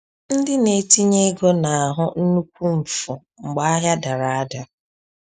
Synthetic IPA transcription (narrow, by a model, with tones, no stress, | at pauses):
n̩˦dɪ˦ne˨ti˦ɲe˦ɡo˦na˨a˨ɦʊ˦n̩˦nu˦kʷu˦m̩˨fʊ˨ | ŋ͡m̩˨ɡ͡ba˦a˦ɦja˦da˨ɾa˨a˦da˨